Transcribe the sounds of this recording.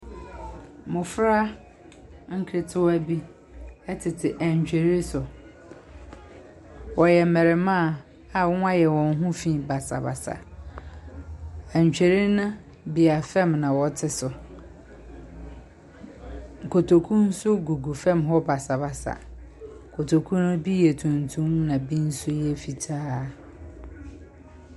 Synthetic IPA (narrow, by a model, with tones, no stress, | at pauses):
mʊ̃˨fɾa˦ | ŋ̩˦kʰɾe˨tʰɪ˦wæ˦bi˦ | ɛ˦tʰɪ˨tʰɪ˨ʔæ˨ɲ˨t͡ɕᶣe˨ɾi˦sʊ˨ | wɔ˨jɛ˨˦mɛ˨ɾɪ˨mã˦˨ | a˨wʊ̃˦a˦jɛ˨wɔ̃˨n˦ɦũ˦fĩ˦˨ba˨sa̰˨ba̰˨sa̰˨ | æ˨ɲ˨t͡ɕᶣe˨ɾi˦nã˦ | bi˨a˨fɛ̃˦˨mnã˨wɔ˨tʰɪ˦sʊ˨ | ŋ̩˨kʰo˨tʰo˨kʰũ˦n̩˦sʊ˦ɡu˨ɡu˨fɛ̃˦˨mɦɔ˦ba˨sa˨ba˨sa̰˨ | kʰo˨tʰo˨kʰũ˦nʊ̃˦bi˦jɛ˨tʰũ˨ntʰũ˦mnã˨bĩ˦n̩˦sʊ˦jɛ˦fi˨tʰaː˦